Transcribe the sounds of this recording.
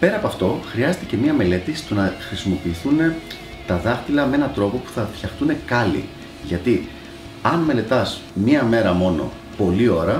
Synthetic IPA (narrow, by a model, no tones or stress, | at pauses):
pe̞ɾɐpoɐft̪o̞xɾiɐze̞t̪ece̞mɲɐme̞le̞t̪ist̪unɐxɾisimo̞piːθune̞ | t̪ɐðɐxt̪ilɐmee̞nɐt̪ɾo̞po̞pu̥θɐfçɐxt̪une̞kɐlḭ | ʝɐt̪i | ɐnme̞le̞t̪ɐs | mɲɐme̞ɾɐmo̞no̞̰ | po̞lio̞ɾɐ